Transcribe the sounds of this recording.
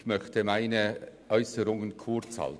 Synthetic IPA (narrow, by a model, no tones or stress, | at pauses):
mœçtəmaɪnəʔœʏsəɾʊŋənkʰʊɾt͡shɑ̰l